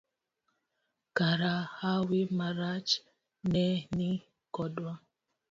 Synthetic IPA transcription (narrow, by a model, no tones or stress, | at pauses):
kaɾahawimaɾat͡ʃ | nɛni | kɔdwa